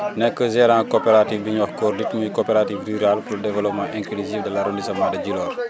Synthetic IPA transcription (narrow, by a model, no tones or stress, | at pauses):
nɛkːəzɛɾãːkopɛɾatifbiɲɐxkɔːrditmujkopɛɾativryɾalpuldɛvɛlɔpmãʔɛŋkliziːfdɐlɐɾundisɐmadɐɟilɔːr